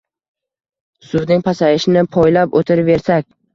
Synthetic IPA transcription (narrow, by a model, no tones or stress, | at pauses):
sʊwnɪŋpʰasaɪʃɪnɪpʰɒjlapot̪ʰɪɾve̞ɾsakʲ